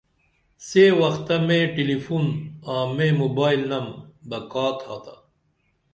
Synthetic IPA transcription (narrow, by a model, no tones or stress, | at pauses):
seːwɐxt̪ɐmẽːʈilifunãːmẽːmobaːilnɐmb̪ɐkaːt̪ʰaːt̪a